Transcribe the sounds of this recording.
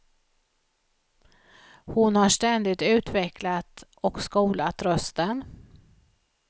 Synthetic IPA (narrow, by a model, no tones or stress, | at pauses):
hʊnhaʂʈɛnd̪ɪt̪ʉ̟ːt̪vɛkʰlat̪ | ɔkskuːlat̪ɾœst̪ən